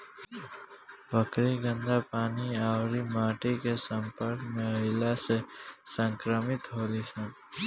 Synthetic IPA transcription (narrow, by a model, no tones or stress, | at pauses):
bəkɾiɡə̃nd̪apaːniaːwɾimaːʈikesə̃mpəɾkmẽəɪlasesə̃ŋkɾəmɪt̪ɦoːlisə̃n